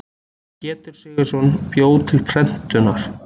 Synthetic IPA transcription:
cɛːt̪ʏɾ̥sɪɣɪ̥sɔnːpjoːwt̪ʰɪlpʰɾɛn̥t̪ʏnaɾ̥

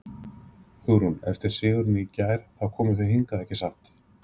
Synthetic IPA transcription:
hʏɣɾunɛ̰ft̪ɪɾ̥sɪːɣʏɾnɪicaːjɾ̥θawkʰɔːmʏθeɦiŋkaðɛhcɪsaht̪

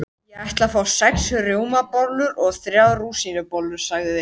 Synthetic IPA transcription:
jɛajht̪lafaːwsɛksʏrjoːwmapɔlʏɾɔɣθɾjawðruːsinʏpɔlːʏɾ̥saɣðɪðɪ

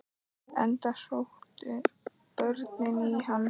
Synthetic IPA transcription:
ɛ̰nt̪ar̥oht̪ʏ | pœɾt̪nɪnihanː

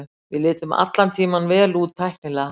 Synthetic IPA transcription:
vɪðlɪːt̪ʏma̰t̪lant̪ʰiːmanvɛːlut̪ʰːajhk̚nɪla

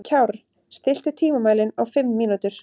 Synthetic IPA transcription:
cʰawɾ | st̪ɪl̥t̪ʏt̪ʰiːmamaːjlɪnawfɪmːiːnut̪ʏɾ̥

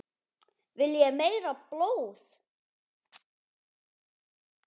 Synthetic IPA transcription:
vɪljɛɣmejɾaplowθ

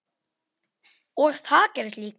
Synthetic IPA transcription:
ɔɣθaðcɛɾʏst̪liːk

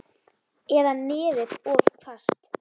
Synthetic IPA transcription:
ɛðanɪːðɪðɔːðkʰvast̪

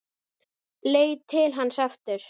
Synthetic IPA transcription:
leːjt̪ʰɪlɦanːsaft̪ʏɾ̥

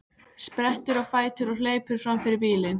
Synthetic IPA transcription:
spɾɛht̪ʏɾɔɣfaːjt̪ʏɾɔɣleːjpʏɾ̥fɾamfɪɾɪɾpiːlɪn

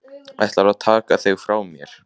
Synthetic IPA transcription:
a̰jht̪laɾaðt̪ʰaːkaθeɣfɾaːwmjɛɾ̥

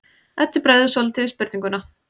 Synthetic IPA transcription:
ɛt̪ːɪpɾajðʏsɔlt̪ʰɪðɪspɪɾt̪iŋkʏnːa

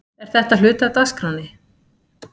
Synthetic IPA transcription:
ɛɾ̥θɛht̪al̥ʏːt̪at̪askɾawnːɪ

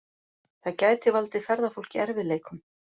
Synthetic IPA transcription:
θaðcaːjt̪ɪvalt̪ɪfɛɾðafowl̥cɪɛɾvɪðleːjkʏm

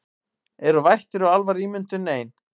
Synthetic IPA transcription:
ɛɾʏvajht̪ɪɾawalvaɾiːmʏnt̪ʏneːjn

